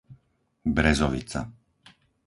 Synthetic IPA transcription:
bɾɛzɔʋḭt͡sa̰

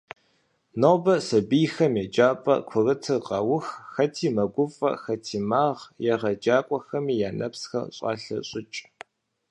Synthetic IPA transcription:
nɐwbɐsɐbijxɐmjɛd͡ʒaːpʼɐ̰kʷʰʊrɨtʰɨqʼɐwʊxxɐtʰiːmɐɡʷʊfʼɐ̰xɐtʰiːmaːʁjɛʁɐd͡ʒaːkʷʼɔxɐmiːjaːnɐpsxɐ̰ɕʼɑ̰ːɬɐ̰ɕʼɪt͡ʃʼ

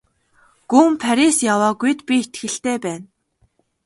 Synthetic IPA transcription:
ɡ̥uːmpʰaɾʲisjawaːɡujt̪pʲiet̪ɡɘ̆ɬt̪eːpæːn

